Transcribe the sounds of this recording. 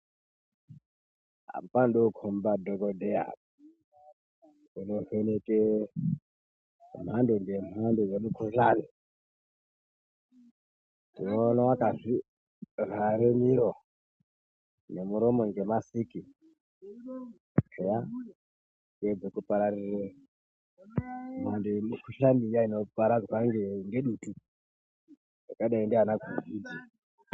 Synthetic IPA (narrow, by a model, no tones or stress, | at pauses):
ɦa̰mpanɗokʰombadoɡodʱea̰ | unofeneke | m̤anduŋɡemandujemukʰuɬani | tinonawakaʐi | raɾemiɾo | ne̞muɾomo̞ŋɡe̞masiki | eja | ŋɡed͡zekupaɾarire | mandeemukʰuɬanijainopaɾad͡zwaŋɡeŋɡe̞ɗuːtu | jakaɗaindiɦanaɡʱuriːd͡zi